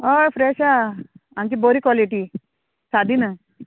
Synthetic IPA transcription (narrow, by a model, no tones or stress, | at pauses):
ojfɾɛɕaaŋkiboɾikwɔliʈi | sad̪inə